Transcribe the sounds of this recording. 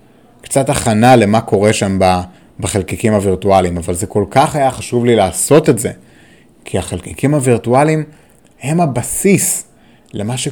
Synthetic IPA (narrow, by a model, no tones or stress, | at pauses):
kt͡sataχanale̞mako̞ʁe̞ʃamba | beχelkikimhaviʁtualimavalzeko̞lkaχajaχaʃuvlilaːso̞tetze̞ | kʰiaχelkikʰimhaviʁtualim | he̞mabasis | le̞maʃe